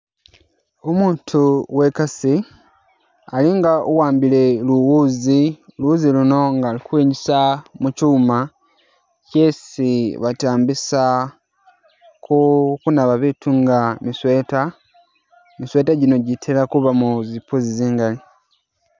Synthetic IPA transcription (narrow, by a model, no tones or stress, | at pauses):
omuːntʰuwe̞kasi | aliŋɡaʔuwaːmbile̞luwuːziluwuziluno̞ŋɡalikuwiːɲɟisamucuːma | cesiβataːmbisa | kʰukunaβaβitʰuŋɡamisweta | misweːtaɟino̞ɟitʰilakuβamuzipuziziːŋɡali